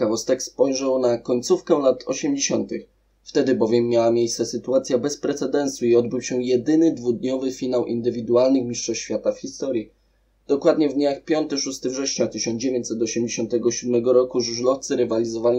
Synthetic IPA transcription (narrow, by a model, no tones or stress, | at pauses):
kavɔst̪ɛkspɔjʐɛwnakɔɲt̪sufkɛlat̪ʰɔ̰ɕɛmd͡ʑeɕɔnt̪ɘx | ft̪ɛd̪ɘbɔvʲjɛmːjawamʲjejst̪ɛsɘt̪uat̪sʲjabɛspɾɛt̪sɛd̪ɛnsuiɔd̪̚bɘwɕɛjɛd̪ɘnɘd̪vud̪ɲɔvɘfʲinawʔḭnd̪ɘvʲid̪ualnɘxmʲiʂtʂɔɕfʲjat̪afxʲist̪ɔɾji | d̪̥ɔkwad̪ɲɛvd̪ɲaxpʲjɔnt̪ɘʂust̪ɘvʐɛɕɲat̪ɘɕɔnd͡ʑevʲjeɲt͡ɕʲsɛt̪ɔɕɛmd͡ʑeɕɔ̃nt̪ɛɡɔɕud̪mɛɡɔɾɔkuʐuʐlɔft̪sɘɾɛvalʲizɔvalʲi